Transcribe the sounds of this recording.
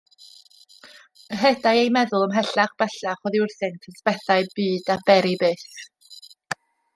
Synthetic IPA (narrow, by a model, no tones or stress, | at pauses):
ɦɛdaɨejmɛðʊlˠəmɦɛɬaχb̥ɛɬaχɔðiʊrsɪntʰəsb̥ɛθaɨbɨːdabɛɾibɨːs